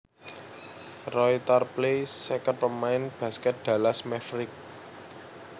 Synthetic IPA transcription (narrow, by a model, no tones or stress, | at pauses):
rɔit̪arplesɛkət̪̚pəmaɪnb̥ä̤skɛt̪̚d̪̥ä̤lasmɛfɾɪk̚